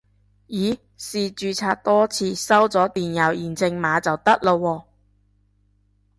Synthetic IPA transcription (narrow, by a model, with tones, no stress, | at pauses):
jiː˨˥ | siː˨t͡ʃyː˨t͡sʰaː˧t̚t̪ɔː˥t͡sʰiː˧sɐ˥wt͡sɔː˨˥t̪iː˨˩njɐ˨˩wjiː˨˩nt͡sɪ˧ŋmaː˨˥t͡sɐ˨wt̪ɐ˥k̚lo˧wɔː˧